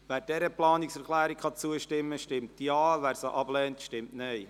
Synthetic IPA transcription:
ʋæːɾdɛɾəplɑːnɪksɛɾklæːɾikχɑt͡suəʃtɪmːəʃtɪmtjɑːʋæːɾsəʔɑb̥lɛːntʃtɪmtneɪ

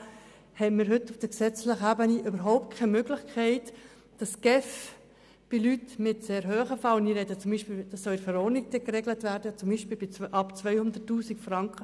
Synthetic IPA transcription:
hɛnmɪːɾɦʏtːʊfd̥əksɛt͡slɪχəæːbəniʔøbəɾɦɔʊp̚t̚kʰɛɪmøɡlɪχkʰɛɪt | d̥ɑsɡ̥ɛf | b̥ɪlytmɪtseːɾɦøːχəfɑlniːɾɛdət͡sʊmbiːʃpiːld̥ɑsːɔlɪfəɾɔnik̚d̥̪ɛkrɛɡlətvæːɾdət͡sʊmbiːʃpiːlbɪʔɑpt͡svœʏhʊnd̪ətːuːsikfrɑŋkχə

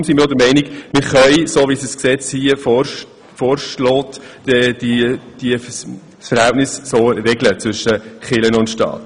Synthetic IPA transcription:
ʊmsimɪːɾɔd̪əɾmɛɪnɪkmɪɾχœʏsoːʋisisksɛt͡shiə | foːɾʃloːtɛd̥d̥iə | sfəɾhæltnɪssoːrɛɡlət͡sʋʏʃːəχɪlənʊntʃtɑ̰ːt

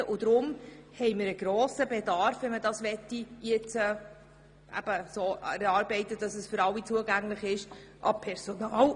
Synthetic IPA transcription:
əʔʊd̥̪ɾʊmhɛɪmɪɾəɡ̥ɾoːsəbɛdɑɾfʋɛnmədɑsʋɛtːijɪt͡sɛ | ʔæ̰b̥əsoːɛɾɑːɾbɛɪt̪əd̥ɑsəsfʏɾɑwːit͡suəɡæŋlɪχɪʃʔɑ̰pʰɛɾsonɑːl

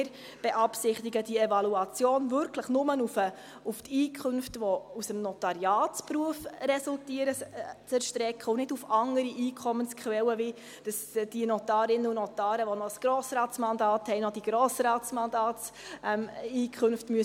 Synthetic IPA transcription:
ɾ | b̥ɛʔɑpsɪχt̪iɡəd̥iɛvɑluɑt͡sjoːnvʏɾkʰləχnʊmənufə | uftiːkʰχɵnftʋɔusəmnɔtɑɾjɑːtspɾuəfrɛsultiəɾət͡sɛɾʃtɾɛkʰχəʊnɪdufɑŋəɾiʔiːkʰχɔmənskχʋɛwəʋɪ | d̥ɑsd̥inɔt̪ɑːɾɪnəunɔt̪ɑːɾəʋɔnɔsɡ̥ɾɔːsɾɑːt̪t͡smɑndɑːthɛɪnɔd̥iɡ̥ɾoːsɾɑːt̪smɑnd̪ɑːtsɛmiːkʰχɵnftmyə

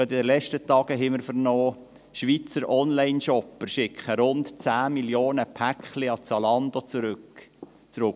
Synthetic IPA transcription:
ɑt̪ɪd̪əlɛt͡ʃtət̪ɑːɡ̥əɦɛmɪɾfəɾnɔː | ʃʋit͡səɾʔɔnlaɪnʃɔpːəɾʃɪkχəɾʊntt͡sæːmiljoːnəpʰækχliɑt͡sɑlɑnd̪ot͡suɾɵk | t͡sɾʊk

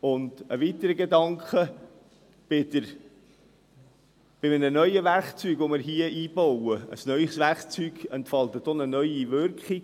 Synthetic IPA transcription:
ʊndəʋitəɾəɡedɑŋkχə | b̥ɪd̪əɾ | b̥ɪmənənœʏəʋærχt͡syːɡʋomɪɾɦiəiːb̥ɔwəə̰snœʏχsʋæɾχt͡syːɡɛntfɑlt̪ətonənœʏiʋʏɾkχi

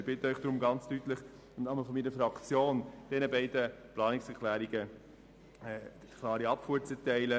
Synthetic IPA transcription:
bɪt̪əœʏχd̥ɾʊmɡɑnt͡styt̪ləχ | mnɑməl̩fɔnmiːɾəfɾɑkt͡sjoːnd̥ɛnəbɛɪdəplɑːnɪksɛɾkʰlæːɾiɡə | ɛ | kʰlˠɑːɾiɑpfuːəɾt͡sɛtɛɪlə

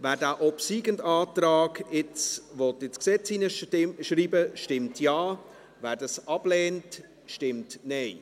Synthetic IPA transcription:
væːɾdæːʔɔpsiːɡəndɑːtɾɑːɡɪt͡sʋɔtɪt͡sksɛt͡sinəʃɾiːbəʃtɪmtʰjɑː | væːɾdɑsɑb̥lɛːnt | ʃtɪmtnɛɪ

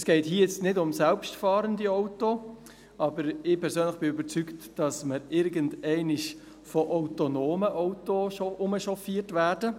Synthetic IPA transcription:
sɡ̥ɛɪthiːəjɛt͡stnɪdʊmsɛlpʃtfɑːɾəndiɔʊto | ɑbəɾɪpʰɛɾsøːnləχb̥ɪybəɾt͡syktd̥ɑsməɾɪɾɡəndɛɪnɪʃ | fɔʔaʊtonoːməʔɔʊtoʃoʔʊməʃɔfiːtvæːɾd̥ə

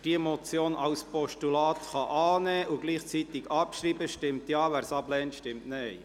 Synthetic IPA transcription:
d̥iəmɔt͡sjoːnʔɑʊspɔʃtulɑːt̪χɑʔɑːnɛːʔuɡ̥liːχt͡sit̪ɪɡ̥ɑpʃriːbəʃtɪmt̪jɑːʋæːɾsɑblɛːntʃtɪmtnɛɪ

